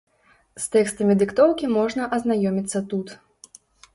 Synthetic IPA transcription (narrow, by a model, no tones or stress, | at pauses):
st̪ɛkst̪ɐmʲid̪ɨkt̪ɔwkʲimɔʐnɐʔɐznajɔmʲit̪sːɐt̪ut̪